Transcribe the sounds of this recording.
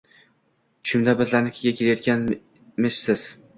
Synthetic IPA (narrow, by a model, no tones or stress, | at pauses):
ʃʊmd̪abɪzlaɾnɪkʲʰeɡʲakʲeɾajɒt̪̚kʲan | mɪʃsɪz̥